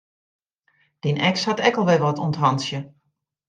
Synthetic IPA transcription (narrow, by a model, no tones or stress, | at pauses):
d̥inʔɛkshatɛkəlˠʋɛʋɔtuntɦɑnsjə